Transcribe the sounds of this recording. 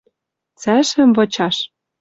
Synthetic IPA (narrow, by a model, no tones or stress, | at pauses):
t͡sæʃɘ̆mvɤ̆t͡ɕɑʃ